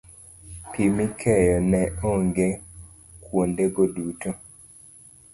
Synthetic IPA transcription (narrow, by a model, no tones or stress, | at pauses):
pimikʰɛjɔnɛoŋɡe | kwondeɡoduto